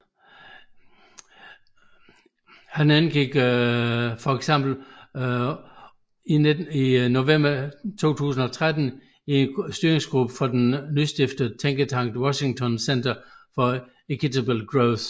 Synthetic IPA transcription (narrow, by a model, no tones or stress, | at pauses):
hænænɡ̥iɡ̥ | fɒeɡ̥sem̰b̥l̩ | iino̝ʋem̰b̥ɐt͡sʰo̝̰ːt͡sʰṵːs̬n̩ɒ̽t͡sʰʁad̥n̩ | insd̥yɐeŋsɡ̥ʁub̥əfɒ̽d̥enːysd̥ifd̥əð̩ˠt͡sʰeŋɡ̥ət͡sʰɑ̈ŋ̰d̥wɒɕi̝ŋt͡sʰɒ̽nsen̰d̥ɐfɒ̽ | ekʰit͡sʰæblɡ̥ʁoʊθ